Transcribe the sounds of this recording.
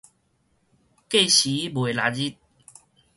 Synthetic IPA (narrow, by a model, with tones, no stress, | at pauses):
ke˥˧˨ɕi˨˦bwe˨˩la˨˩d͡ʑi˦˥t̪̚